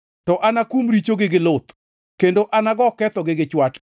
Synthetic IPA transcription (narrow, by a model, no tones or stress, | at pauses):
tɔʔanakumɾit͡ʃoɡɪɡɪlot̪ | kendoʔanaɡɔkɛt̪ɔɡɪɡɪt͡ʃwat